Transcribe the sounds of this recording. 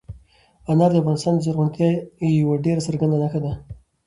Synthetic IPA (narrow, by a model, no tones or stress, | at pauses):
anɑɾd̪əafɣɑnɪst̪ɑːnd̪əzaɾɣʊɳkajawaɖeɾasaɾɡand̪anaxad̪a